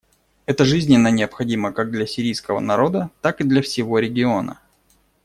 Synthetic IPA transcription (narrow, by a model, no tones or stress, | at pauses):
ɛt̪əʐɨzʲnʲɪnːənʲɪəpxɐdʲiməkaɡ̚d̪lʲɐsʲɪɾʲijskəvə̰nɐɾo̞d̪ət̪akɨd̪lʲɐfsʲɪvo̞ɾʲɪɡʲɪo̞nə̰